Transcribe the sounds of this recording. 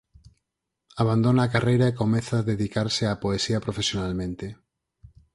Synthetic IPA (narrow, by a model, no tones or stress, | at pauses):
aβ̞and̪onaːkarejɾaekomeθaðeðikaɾseapoesiapɾofesjonalmẽnt̪e